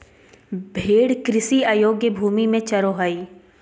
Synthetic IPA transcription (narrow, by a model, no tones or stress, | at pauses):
bʱeːɽkɾɪsiaːjoːɡjəbʱuːmimẽt͡ʃɐɾoɦaːiː